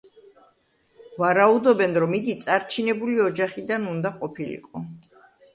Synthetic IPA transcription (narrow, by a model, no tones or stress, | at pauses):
vaɾaud̪ɔbɛnɾɔmid̪it̪sʼaɾt͡ʃʰinɛbuliɔd͡ʒaχid̪anund̪aqʼɔpʰilḭqʼɔ